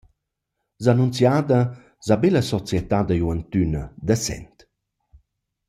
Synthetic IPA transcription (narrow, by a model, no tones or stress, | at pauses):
zanunt͡sjad̪ə | zabeləsɔt͡sjɛt̪ad̪əjuənt̪ynəd̪əsɛ̰nt̪